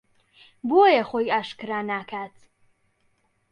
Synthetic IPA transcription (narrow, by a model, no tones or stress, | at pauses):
bojɛχojaːʃkɨɾaːnaːkʰaːt̪ʰ